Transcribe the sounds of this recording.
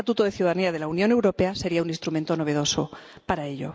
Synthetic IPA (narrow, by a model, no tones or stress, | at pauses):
at̪ut̪oðe̞θjuðaðaniaðe̞launjõ̞ne̞wɾo̞pe̞ase̞ɾiauninst̪ɾumẽnt̪o̞no̞β̞eðo̞so̞paɾae̞ʎo̞̰